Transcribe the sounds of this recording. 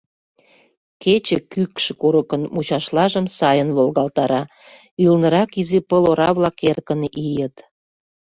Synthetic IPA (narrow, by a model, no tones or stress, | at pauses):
ket͡ɕekykʃkuɾəkənmut͡ɕɑʃlɑʒəmsɑjənβolɣɑlt̪ɑɾɑ | ylnəɾɑkizepəloɾɑβlɑkerkənijət̪